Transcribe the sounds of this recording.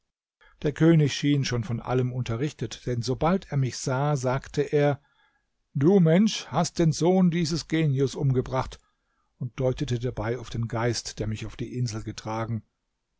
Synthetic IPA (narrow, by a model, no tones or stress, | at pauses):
d̥eːɐkʰøːnɪçʃiːnʃoːnfɔnʔa̰ləmʊntɐʁɪçtətd̥ɛnzobalteːɐmɪçz̥aːzaːktʰəʔeːɐ | d̥uːmɛnʃhast̚d̥eːnzoːndiːzəsɡ̥eːnjʊsʔʊmɡəbʁaχt | ʊnt̚d̥ɔʏtətədabaɪaʊfd̥eːnɡaɪstd̥eːɐmɪçaʊfd̥iːʔɪnzl̩ɡətʁ̥aːɡŋ̩